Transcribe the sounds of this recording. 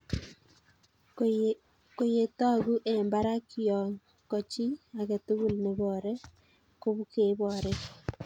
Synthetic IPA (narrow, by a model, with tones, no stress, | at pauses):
ko˨je˨ta˦˨ɣu˦ʔe˨mba˦ɾa˦kijɔ˨ŋ | kɔ˨t͡ʃi˦a˨ke˨tu˦ɣu˦lne˨βɔ˨ɾɛ˦ | ko˦βu˦ke˨˦βɔ˨ɾɛ